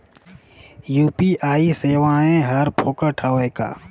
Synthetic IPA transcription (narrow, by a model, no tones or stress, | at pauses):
juːpiʔaːiseːʋãẽɦɐɾpʰoːkəʈʰəweka̰ː